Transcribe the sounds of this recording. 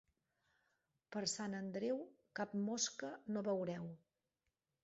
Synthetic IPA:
pəɾsanənd̪ɾewkap̚moskənoβəwɾɛw

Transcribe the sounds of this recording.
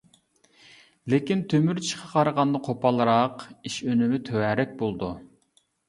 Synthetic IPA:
lekʲint̪ʰømyɾt͡ʃʰʃʰə̥qʰɑqʰɑɾʁɑnd̪ɑqʰopɑlˠɾɑqiʃønɪmɪt̪ʰøwæɾɛk̚ʲbolˠd̪u

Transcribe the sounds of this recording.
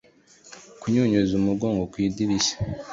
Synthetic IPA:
kuɲoːɲozumuɡoːŋɡokwiːdiɾisḁ

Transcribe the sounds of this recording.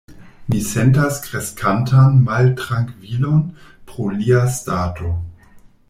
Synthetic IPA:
misentaskɾeskʰantʰanmaltɾaŋkvilo̞npɾoliastaːto̞

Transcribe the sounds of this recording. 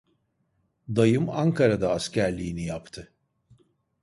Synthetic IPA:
d̪ajɯmaŋkʰaɾad̪aːscʰæɾlʲiːnijapt̪ʰɯ

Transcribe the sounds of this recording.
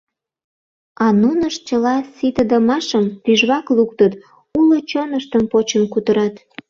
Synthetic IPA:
ɑnunəʃt͡ɕəlɑsit̪əd̪əmɑʃəmpyʒβɑkluk̚t̪ət̪ | ulot͡ɕonəʃt̪əmpot͡ɕəmkut̪əɾɑt̪

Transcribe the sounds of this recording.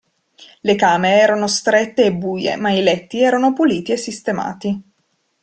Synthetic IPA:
lekaːmeɾeɛːɾanost̪ɾɛt̪ːeːbːuːjḛmailɛt̪ːiɛːɾanopuliːt̪iesːist̪ema̰ːt̪i

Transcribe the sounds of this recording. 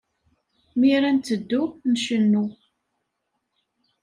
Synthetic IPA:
miɾænt̪ːəd̪ːunʃənːu

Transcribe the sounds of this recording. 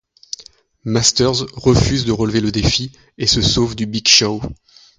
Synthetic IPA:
mast̪œʁzʁəfyzd̪əʁəlveləd̪efi | esəsovd̪ybiɡʃɔ

